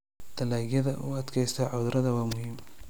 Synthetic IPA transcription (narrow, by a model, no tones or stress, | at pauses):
d̪̥ʰɐlaːɡjɐðɐʔuːɐd̪kʰɛjst̪ʰɐʕʊðɾʔɐðɐwɑːmʊhiːm